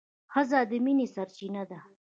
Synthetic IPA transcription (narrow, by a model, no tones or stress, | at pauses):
xəzad̪əminesaɾt͡ʃinad̪a